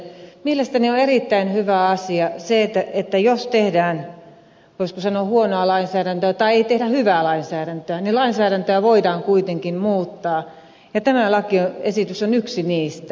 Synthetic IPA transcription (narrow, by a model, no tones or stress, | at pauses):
mielest̪ænioerit̪ːæinhyʋæɑsiɑseet̪ːæet̪ːæjost̪ehdæːn | joskusɑnohuonoɑlɑinsæːɾænt̪øæt̪ɑieit̪ehɾæhyʋæːˑlɑinsæːɾænt̪øænilɑinsæːɾænt̪øæʋoidɑːŋkuit̪eŋkimmuːt̪ːɑː | jɑt̪æmælɑkioesit̪ysonyksiniːst̪æ